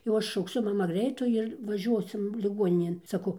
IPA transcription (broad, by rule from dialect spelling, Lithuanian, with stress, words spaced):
jɛʊ ˈɐʃ ʃɐʊkˈsʲʊ ˈmɑːmɐ ˈɡrʲɛɪtuː ɪr ʋɐˈʒʲuɔsʲɪm lʲɪˈɡuɔnʲɪnʲeːn sɐˈkɐʊ